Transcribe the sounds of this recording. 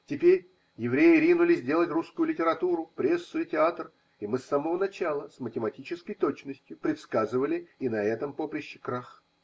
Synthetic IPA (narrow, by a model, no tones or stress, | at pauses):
tʲɪpʲeɾʲ | jɪvɾʲejɪɾʲinʊlʲɪzʲdʲe̞lˠətʲruskʊjʊlʲɪtʲɪɾɐt̪uɾʊpɾʲesːʊɪtʲɪat̪r | ɪmɨsːaməvənɐt͡ɕalˠəsmətʲɪmɐtʲit͡ɕɪskəjt̪ot͡ɕnəsʲtʲjʊpɾʲɪt̪skazɨvəlʲɪɪnɐɛt̪əmpopɾʲɪɕːɪkɾax